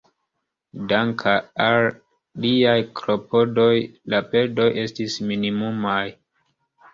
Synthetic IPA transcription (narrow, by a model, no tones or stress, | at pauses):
daŋkʰaal | liajklo̞po̞do̞jlape̞ɾdo̞jʔe̞stisminimumaj